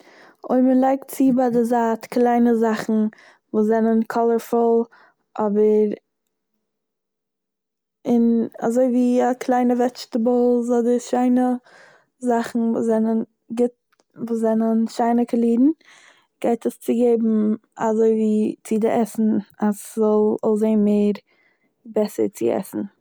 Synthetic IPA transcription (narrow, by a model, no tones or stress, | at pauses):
o̰ɪmənlˠaɪktt͡sibadɪzaːtklˠaɪnəzaχn̩ | voːszɛnənkʰɔlˠəɾfɔlˠ | ʔɔbəɾ | ɪna̰zoɪviːakʰlˠaɪnəvɛt͡ʃtəbɔlˠzɔdəʃaɪnə | zaχn̩vṵːsɛnən | ɡɪt̚ | voːszɛnənʃaɪnəkəlˠiːdn̩ | ɡ̥aɪtəst͡sɪɡeɪbm̩a̰zoɪviːt͡sɪdɪʔɛsn̩aszɔlˠɔ̰lˠzeɪmeɪɾ | bɛsə̰ɾt͡sɪ̰ɛ̰sn̩